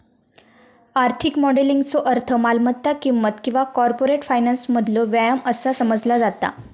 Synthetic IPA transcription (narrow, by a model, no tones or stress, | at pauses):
aɾt̪ʰikmɔɽeliŋɡt͡soʔəɾt̪ʰəmalmət̪ːakimːət̪kĩw̃ʋakɔɾpoɾeʈfajnansməd̪ʱloʋjajaməsasəməd͡zlad͡zat̪a̰